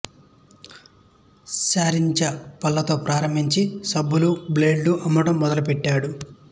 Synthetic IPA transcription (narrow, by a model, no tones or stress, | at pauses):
saːɾiɲt͡ʃɐpɐlːɐt̪o̞ːpɾaːɾɐmbʱiɲt͡ʃisɐbːulubleːɖluʔɐmːuʈɐmːɔd̪ɐlupɛʈːaːɽu